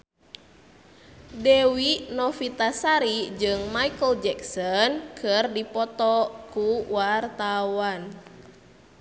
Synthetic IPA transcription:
dɛwinɔfit̪asaɾid͡ʒɨŋmaikəld͡ʒɛksɔnkʰərdipɔt̪ɔkuwart̪awan

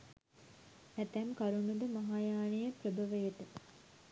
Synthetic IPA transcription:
æt̪æmkaɾunud̪əmaɦaːjaːnijəpɾəbʱɐʋəjet̪ə

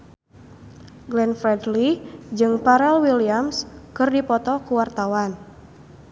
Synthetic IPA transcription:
ɡlɛnfɾɛdlid͡ʒɨŋpaɾɛlwiliamskɨrdipɔt̪ɔkuwart̪awan

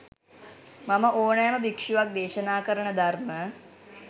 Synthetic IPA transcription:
maməʔoːnajːməbikʂuʋak̚d̪eːʃənaːkəɾəɳəd̪armə

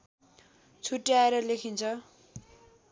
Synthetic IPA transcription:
t͡sʰuʈːaeɾʌlekʰint͡sʰʌ

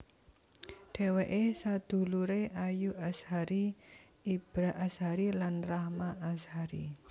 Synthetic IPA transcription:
ɖ̥ɛ̤weʔesad̪̥ṳluɾeʔajuʔashaɾi | ib̥ɾaʔasɦaɾilanrahmaʔashaɾḭ

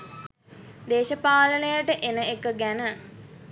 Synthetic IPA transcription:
d̪eːʃəpaːlənəjəʈəʔenəekəɡænə

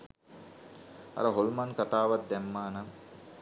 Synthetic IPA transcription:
a̰ɾəɦolmankat̪aːʋat̪̚d̪ɛmːaːnam

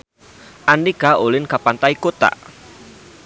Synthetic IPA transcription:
ʔandikaolɪnkapant̪aikot̪a̰

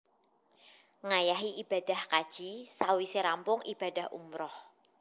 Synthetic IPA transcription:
ŋajaɦiʔib̥a̤d̥a̤hkad̥ʒ̥isawiseɾampʊŋib̥ad̥ahʔṵmɾɔh

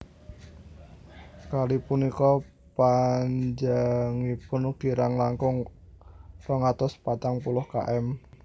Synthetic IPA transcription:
kalipunikɔ | paɲd͡ʒaŋipʊnɡ̥iɾaŋlaŋkʊŋ | rɔŋat̪ɔspat̪aŋpulʊhka̰ʔɛm

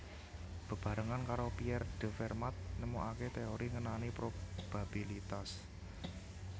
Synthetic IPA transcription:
b̥ə̤b̥ä̤ɾaŋankaɾopiɛrɖ̥ə̤fɛrmat̪̚nəmuʔaket̪eoɾiŋənanipɾob̥ab̥ilit̪as

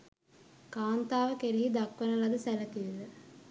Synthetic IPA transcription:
kaːnt̪aːʋəkeɾiɦid̪akʋənəlad̪əsælət̪iʋilə

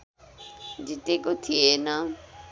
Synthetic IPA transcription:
nditekot̪ʰiena

